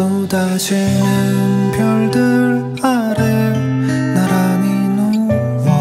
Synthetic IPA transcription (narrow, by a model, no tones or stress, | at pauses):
odad͡ʑinɯnpʰjʌɭdɯɾ | aɾe | naɾaminu